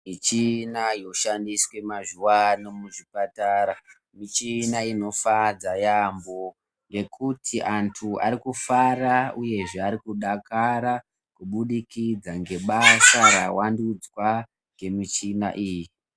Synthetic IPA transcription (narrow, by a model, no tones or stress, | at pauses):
mit͡ʃinajo̞ʃandiswe̞maʐuwanomuʐipataːɾa | mit͡ʃinaino̞fad͡zajambo̞ | ŋɡe̞kʰutʰiʔantʰua̰ɾikufarauje̞ʐeaɾikuɗakaɾa | kuɓuɗikid͡zaŋɡe̞ɓasara̰wandud͡zwa | ŋɡe̞mit͡ʃina̰ʔiːji